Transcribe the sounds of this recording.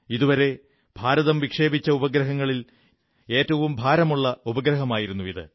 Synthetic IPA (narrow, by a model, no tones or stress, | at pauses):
iðuʋɐɾe̞ | b̥ʱaːɾɐðɐmʋikʂe̞ːbit͡ɕːɐubɐɡɾɐɦɐŋːɐɭil | e̞ːtːɐʋumbʱaːɾɐmuɭːɐubɐɡɾɐɦɐmaːjiɾunːuʋiðɨ̰